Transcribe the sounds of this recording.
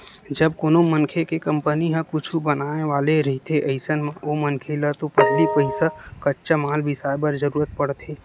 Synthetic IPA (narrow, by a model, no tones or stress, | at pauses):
d͡ʒəbkoːnomənkʰekekə̃mpəniɦɛ̃kʊt͡ʃʰubənaːneʋaːleɾəɦit̪ʰeʔəɪsənmãomənkʰelət̪opɐɦlipəɪsakɐtːʃamaːlbʱɪsaːbəɾzəɾuːɾət̪̚pəɽt̪ʰeː